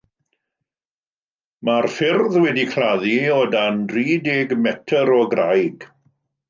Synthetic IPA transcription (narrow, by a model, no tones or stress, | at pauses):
marfɪrðwɛdikʰraðiɔdanriːdɛɡmɛtʰəɾɔɡrajɡ̥